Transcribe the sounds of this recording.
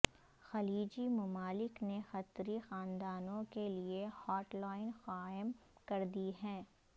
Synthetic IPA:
xɐliːd͡ʒimʊmaːlɪknexɐt̪ɾixaːnd̪aːnõkeliehɔːʈlaːɪnxaːɪmkɐɾd̪iɦɛ̃ː

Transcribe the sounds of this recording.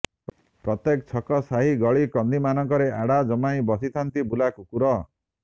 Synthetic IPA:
pɾɔt̪ekt͡ʃʰɔkɔsaɦiɡɔɭikɔnd̪imanɔŋkɔɾeʔaɽad͡ʒɔmaĩbɔsit̪ʰant̪ibulakukuɾɔ

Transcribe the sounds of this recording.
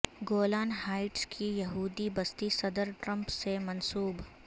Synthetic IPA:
ɡoːlaːnɦaːɪʈskʰijɐɦuːd̪ibɐst̪isɐd̪əɾʈɾɐ̃mpsemɐ̃nsuːb

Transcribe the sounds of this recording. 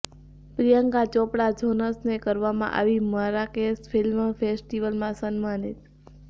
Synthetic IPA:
pɾijəŋkat͡ʃɔpɽad͡ʒʱonəsnekəɾʋamã̰ʔa̰ʋimaɾakesfʰilmfʰesʈiʋəlmãsənmanit̪

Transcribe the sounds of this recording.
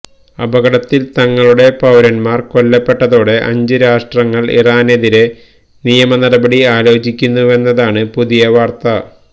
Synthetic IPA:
ɐbɐɡɐɽɐt̪ːilt̪ɐŋːɐɭuɽe̞pɐwɾɐnmaːrko̞lːɐpːe̞ʈːɐðo̞ːɽe̞ʔɐ̰ɲd͡ʑɨɾaːʂʈrɐŋːɐɭḭraːne̞ðiɾe̞ | nijɐmɐnɐɾɐbɐɽiaːlo̞ːd͡ʑikʲːunːue̞nːɐðaːɳɨpuðijɐʋaːrt̪ɐ

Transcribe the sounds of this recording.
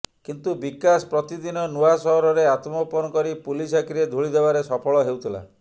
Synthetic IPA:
kint̪ubikasɔ̥pɾɔt̪id̪inɔnuasɔɦɔɾɔɾeat̪mɔpɔnɔkɔɾipulisakʰiɾed̪ʱuɭid̪ebaɾesɔpʰɔɭɔɦewt̪ʰila̰

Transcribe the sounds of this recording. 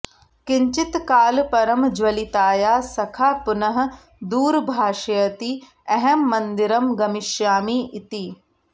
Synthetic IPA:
kɪ̃ɲt͡ʃɪt̪kaːlpɐɾɐmd͡ʒwɐlit̪aːjaːsɐkʰaːpʊnɐɦ | d̪uːɾbʱaːʃɐjɐt̪i | ɛɦɛmːɐ̃nd̪ɪɾɐmɡɐmɪʃjaːmiːʔɪt̪i

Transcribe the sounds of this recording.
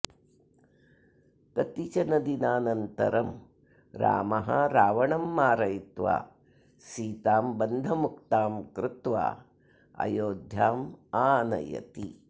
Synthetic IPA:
t̪ɐt̪it͡ʃɐnɐd̪inaːnɐnt̪ɐ̰ɾɐm | ɾa̰ːmɐɦɐ̰ɾaːʋɐɳɐmːaːɾɐjit̪ʋa̰ː | siːt̪aːmbɐnd̪ʱɐmuk̚t̪aːmkɾɪt̪ʋa̰ː | ɐ̰joːd̪ʱjaːmaːnɐ̰jɐ̰t̪i

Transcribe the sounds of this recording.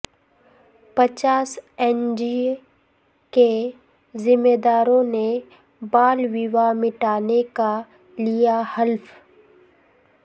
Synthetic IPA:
pɐt͡ʃaːsɛːnd͡ʒi | ke | zɪmːeːd̪aːɾõne | baːlwɪʋamɪʈaːneka | lijahɐlf

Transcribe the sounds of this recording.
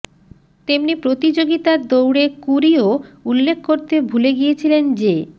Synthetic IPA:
t̪emnipɾot̪id͡ʑoɡit̪ad̪owɽekuɾioulːekʰkoɾt̪ebʱuleɡijet͡ɕʰilend͡ʑe

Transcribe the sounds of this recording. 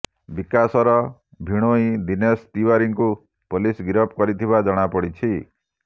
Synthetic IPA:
bikasɔɾɔ | bʱiɽ̃oĩd̪inest̪iwaɾiŋku | polisɡiɾɔp̚kɔɾit̪ʰibad͡ʒɔɽ̃apɔɽit͡ʃʰi

